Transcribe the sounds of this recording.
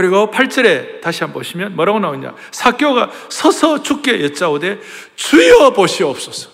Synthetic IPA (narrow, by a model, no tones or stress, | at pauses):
ɯɾiɡopʰaɭt͡ɕ͈ʌɾe̞taɕʰiɦanboɕʰimjʌnmʌɾaɡonauɲa̰ | sʰak͈joɡasʰʌsʰʌt͡ɕʰuk̚k͈ejʌt͡ɕ͈aode̞ | t͡ɕuiʌboɕʰiʌp̚s͈ʌsʰʌ̥